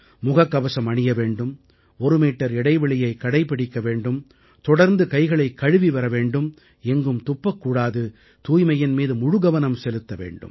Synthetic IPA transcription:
mʊɣɐkːɐʋɐsɐmɐɳɪjɐʋeːɳɖɯm | ɔɾɯmiːʈːɐɾɛɽɐɪʋɐɭɪjɐɪkːɐɽɐɪpɪɽɪkːɐʋeːɳɖɯm | t̪ɔɽɐɾnd̪ɯkɐɪɣɐɭɐɪkːɐɻɯʋiʋɐɾɐʋeːɳɖɯm | ɛŋɡɯmt̪ʊpːɐkːuːɽaːðɯ | t̪uːjmɐjɪnmiːðɯmʊɻʊɣɐʋɐnɐmsɛlɯt̪ːɐʋḛːɳɖɯ̰m

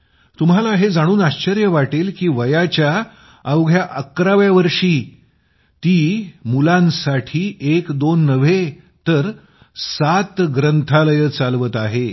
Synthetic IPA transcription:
t̪umɦalaɦed͡zaɽ̃uːnaɕt͡ɕəɾjəʋaʈeːlkiːʋəjat͡ɕja | əwɡʱjaʔəkɾaʋjaʋəɾʂiː | t̪iːmulãnsaʈʰiːʔekd̪onːəʋe | t̪əɾ | sat̪ɡɾənt̪ʰaləjət͡salʋət̪aɦe

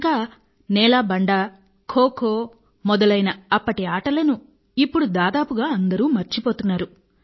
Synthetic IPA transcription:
ŋkaː | nɛːlaːbɐɳɖaː | kʰoːkʰoː | mɔd̪ɐlɐjnɐɐpːɐʈiaːʈɐlɐnu | ipːuɽud̪aːd̪aːpuɡaːɐnd̪ɐɾuːmɐɾt͡ʃipoːt̪unːaːɾu

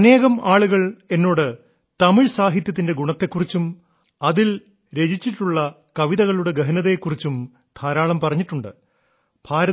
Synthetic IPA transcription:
ɐne̞ːɣɐmaːɭuɣɐɭe̞nːo̞ːɽɨ | t̪ɐmiɻsaːɦit̪jɐt̪̬ːinde̞ɡuɳɐt̪ːe̞kːurit͡ɕːum | ɐðil | ɾe̞d͡ʑit͡ɕːiʈːuɭːɐ | kɐʋiðɐɣɐɭuɽe̞ɡɐɦɐnɐðekːurit͡ɕːum | d̪̥ʰʱaːɾaːɭɐmpɐrɐɲːiʈːuɳɖɨ | b̥ʱaːɾɐ

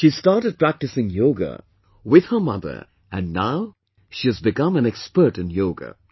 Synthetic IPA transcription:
ʃistɑɹtɨd̚pɹ̥æk̚tɨsɪ̃ŋjoʊɡə̰ | wɪð̥hə˞mʌ̰ðə̰˞ | ɨ̃nːaʊ | ʃiɨzbɪkʌ̃mæ̃nɛkspə˞tɨ̃njoʊɡə̰

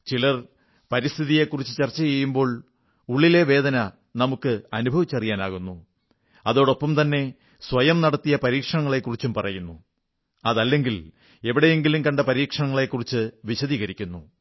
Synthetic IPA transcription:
t͡ɕilɭɐr | pɐɾist̪ʰiðije̞kːurit͡ɕːɨt͡ɕɐrt͡ɕːɐjejːumbo̞ːɭ | uɭːile̞ʋe̞ːd̪ɐnɐ | nɐmukːɨɐnubʱɐʋit͡ɕːɐrijaːnaːɣunːu | ɐðo̞ːɽo̞pːɐmt̪ɐnːe̞ | sʋɐjɐmnɐɽɐt̪ːijɐpɐɾiːkʂɐɳɐŋːɐɭe̞kːurit͡ɕːumpɐrɐjunːu | ɐðɐlːe̞ŋɡil | e̞ʋiɽe̞jeŋɡilumkɐɳɖɐpɐɾiːkʂɐɳɐŋːɐɭe̞kːurit͡ɕːɨʋiɕɐðiːɣɐɾikʲːunːu

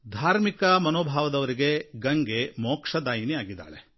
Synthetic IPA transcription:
d̪ʱaːɾmikɐmɐnoːbʱaːʋɐd̪ɐʋɐɾiɡe̞ɡɐŋɡemɔːkʂɐd̪aːjiniaːɡid̪ːa̰ːɭe

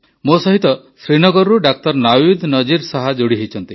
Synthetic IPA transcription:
mosɔɦit̪ɔ | sɾinɔɡɔɾuɖak̚t̪ɔɾnawid̪nɔd͡ʒiɾsaɦad͡ʒoɽiɦejt͡ʃʰɔnt̪ḭ

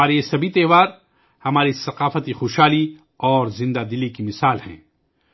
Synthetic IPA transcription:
aːɾeesɐbʱit̪ɛːʋaːɾ | hɐmaːɾisɐqaːfət̪ixoːʃɦaːli | ɔːɾzɪ̃nd̪ad̪ɪlikimɪsaːlhɛ̰̃ː

